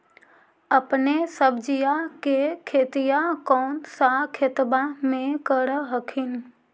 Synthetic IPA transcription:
əpnesəbd͡ʒijakekʰeːt̪ijakɔːnsakʰet̪bamẽkəɾɦəkʰin

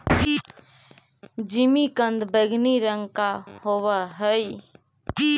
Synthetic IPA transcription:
d͡ʒimikə̃nd̪beɡʱniɾəŋkahowəɦəj

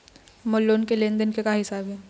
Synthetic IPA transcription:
molːoːnkelẽnd̪ənkekaɦɪsaːbɦɛː

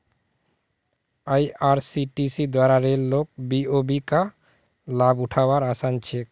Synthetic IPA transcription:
ajaɾsiʈisid̪waɾaɾeɾlok̚biobika | labuʈʰawaɾasant͡ɕʰek

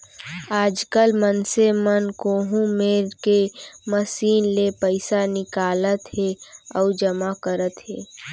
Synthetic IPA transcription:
aːd͡ʒkəlmənsemənkoːɦũmeːɾkeməsiːnlepəɪsanɪkaːlət̪heɔːd͡ʒəmakəɾət̪ɦeː

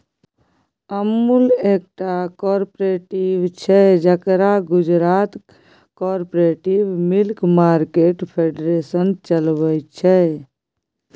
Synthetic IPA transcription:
əmːulek̚ʈakɔɾpɾeʈibt͡ʃʰɛd͡ʒəkɾaɡud͡ʒɾat̪ | kɔɾpɾeʈibmilkmaɾkeʈpʰeɖɾesənt͡ʃəlbət͡ʃʰɛ

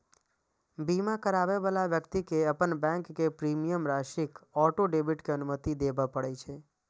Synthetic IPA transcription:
bimãkəɾaʋeʋalaʋjəkt̪ikeəpəɳbɛ̃ŋkːepɾimijəmɾaʃikɔʈoɖebiʈkeənumət̪id̪ebãpəɽet͡ʃʰe

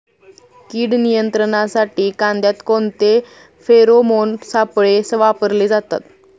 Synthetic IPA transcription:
kiːɽnijənt̪ɾəɳ̃asaʈiːkãnd̪jat̪kont̪e | feɾomonsapɭesəʋapəɾled͡zat̪a̰t̪̚

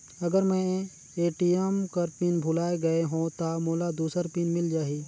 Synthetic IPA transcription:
ɐɡəɾmɛ̃ | eːʈijemkəɾpinbʱʊlaːeɡəeɦõt̪amoːlad̪uːsəɾpinmɪld͡ʒaːɦiː

